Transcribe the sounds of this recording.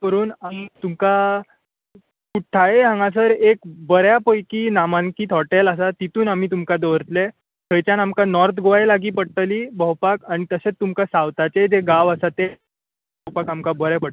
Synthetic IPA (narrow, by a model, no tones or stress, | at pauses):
əɾuːnam̤iːt̪umka | kuʈʰːaeɦãŋɡãs̬əɾekbəɾjapəjkiːnamãŋkiːt̪ɦɔʈeləs̬at̪it̪uːnam̤iːt̪umkad̪əʋəɾt̪le | k̪ʰəjt͡ɕjanamkanɔɾt̪ʰɡoajlaɡiːpəɽʈəliːbəwpakaɽ̃it̪əset͡st̪umkasawt̪at͡sed͡zeɡaʋəsat̪e | bəwpakamkabəɾjapəɽ